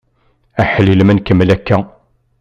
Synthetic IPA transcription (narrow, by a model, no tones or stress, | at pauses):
æħələlmənkəmlækːæ